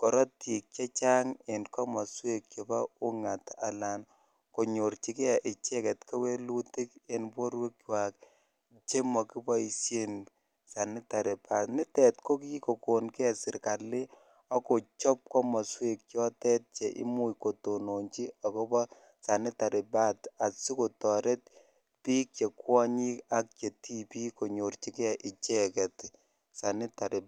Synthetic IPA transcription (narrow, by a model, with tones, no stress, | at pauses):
kɔ˨ɾɔ˦ti˨k̚t͡ʃɛ˦t͡ʃa˦ŋe˨nkɔ˦mɔ˨swe˦k̚t͡ʃo˨pa˦u˦ŋa˨ta̰˨la˨n | ko˨ɲo˨ɾt͡ʃi˦ke˦ɛ˨ʔɪ˨t͡ʃɛ˦kɛ˨tka˦we˦lu˦ti˦ke˨npo˦ɾwe˦kwa˨k | t͡ʃe˦mɔ˨ki˦bɔ˦i˨sje˦n | sa˨nɪ˦ta˨ɾe˨pa˨nɪ˦tɛ˨tko˦ki˦ko˨ko˨nke˦ɛ˨sɪ˨ɾka˨lːɪ˦ | ɔ˦ko˨t͡ʃɔ˦p̚kɔ˦mɔ˨swe˨k̚t͡ʃjɔ˦tɛ˦t̚t͡ʃe˨ʔḭ˦mu˦jko˨to˨no˨ɲt͡ʃi˦ɔ˨kɔ˦bɔ˦ | sa˨nɪ˦ta˨ɾɪ˨ba˦ta˨tsi˦ko˨tɔ˨ɾe˦t̚ | piː˦kt͡ʃe˨kwɔ˦ɲi˦ka˨k̚t͡ʃe˨ti˦pi˦ko˨ɲo˨rt͡ʃi˨kɛ˨ʔɪ˨t͡ʃɛ˦kɛ˨t | sa˨nɪ˦ta˨ɾɪ˨